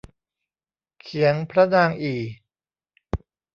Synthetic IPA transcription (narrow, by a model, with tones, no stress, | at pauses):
kʰi˩˦əŋpʰɾa˦˥naː˧ŋʔiː˨˩